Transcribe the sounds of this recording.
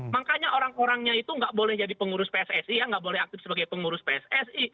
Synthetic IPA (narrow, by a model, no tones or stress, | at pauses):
makaɲaʔoɾaŋoɾaŋɲait̪uŋɡaʔbolɛhd͡ʒadipəŋuɾʊspeɛsɛsijaŋɡaʔbolɛhak̚t̪ɪfsəbaɡajpəŋuɾʊspeɛsɛsi